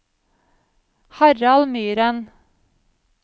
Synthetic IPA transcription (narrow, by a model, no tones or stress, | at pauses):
hɑɾɑlmyːɾən